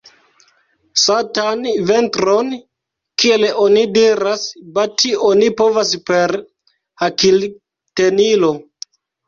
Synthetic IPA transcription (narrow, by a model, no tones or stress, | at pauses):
satanve̞ntɾo̞n | kieleʔo̞nidiɾasbationipo̞vaspe̞ɾ | akil | te̞nilo̞